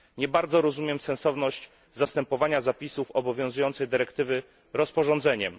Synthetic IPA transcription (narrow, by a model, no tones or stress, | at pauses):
ɲɛbaɾd̪zɔɾɔzumʲjɛmsɛnsɔvnɔɕt͡ɕ | zast̪ɛmpɔvaɲazapʲisufɔbɔvʲjɔ̃ñzujɔnt̪sɛjd̪ɘɾɛkt̪ɘvɘ | ɾɔspɔʐɔ̃nd̪zɛɲɛm